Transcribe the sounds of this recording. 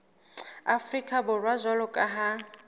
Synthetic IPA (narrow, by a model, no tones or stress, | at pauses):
afrikʼabʊrwazʷalʊkʼaɦa